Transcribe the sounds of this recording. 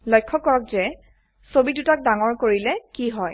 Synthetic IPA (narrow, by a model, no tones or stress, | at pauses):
lɔjkʰːɔkɔɹɔk̚zɛ | sobitutak̚daŋɔɹkoɹilɛkiɦɔj